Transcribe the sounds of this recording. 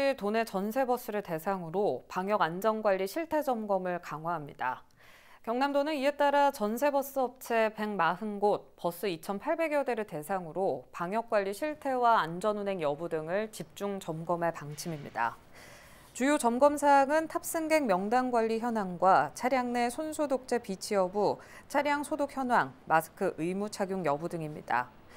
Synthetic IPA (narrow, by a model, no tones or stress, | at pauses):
itone̞t͡ɕʌnsʰe̞bʌs͈ɯɾɯɭte̞sʰaŋɯɾopaŋjʌɡand͡ʑʌnɡwaʎːiɕʰiɭtʰe̞d͡ʑʌmɡʌmɯɭkaŋɦwaɦamɲida̰ | kjʌŋnamdonɯnie̞t͈aɾat͡ɕʌnsʰe̞bʌs͈ɯʌp̚t͡ɕʰe̞pe̞ŋmaɦɯnɡot̚pʌs͈ɯit͡ɕʰʌnpʰaɭbe̞ɡjʌde̞ɾɯɭte̞sʰaŋɯɾopaŋjʌk̚k͈waʎːiɕʰiɭtʰe̞waːnd͡ʑʌnune̞ŋjʌbudɯŋɯɭt͡ɕip̚t͡ɕ͈uŋt͡ɕʌmɡʌmaɭpaŋt͡ɕʰimimɲida̰ | t͡ɕujot͡ɕʌmɡʌmsʰaŋɯntʰap̚s͈ɯŋɡe̞ŋmjʌŋdaŋɡwaʎːiçjʌnɦwaŋɡwat͡ɕʰaɾjaŋne̞sʰonsʰodok̚t͡ɕ͈e̞pit͡ɕʰiʌbu | t͡ɕʰaɾjaŋsʰodok̚çjʌnwaŋmasʰɯ̥kʰɯʔɯmut͡ɕʰaɡjuŋjʌbudɯŋimɲḭd̥a̰